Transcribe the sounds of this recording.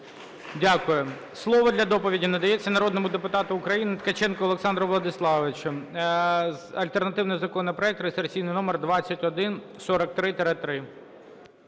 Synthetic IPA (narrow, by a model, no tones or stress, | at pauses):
dʲakʊjʊ | slˠɔʋɔd̪lʲɐd̪ɔpɔʋʲidʲinɐd̪ɐjɛt͡sʲːɐnɐɾɔd̪nɔmʊd̪epʊt̪ɑt̪ʊʊkɾɐjinɪt̪kɐt͡ʃɛnkɔɔlˠeksɑnd̪ɾɔʋlˠɐd̪ɪslˠɑʋɪt͡ʃʊ | ɐlʲt̪ernɐt̪ɪwnɪjzɐkɔnɐpɾɔɛk̚t̪ɾesersʲijnɪjnɔmɛrd̪ʋɑt͡sʲːɐtʲɔd̪ɪn | sɔɾɐk̚t̪ɾɪt̪ɛɾɛt̪ɾɪ